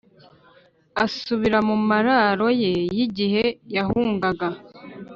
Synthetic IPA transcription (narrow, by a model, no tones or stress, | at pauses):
asuβiɾamumaɾaɾo̞je̞jiɟiɦe̞jahuːŋɡaɡa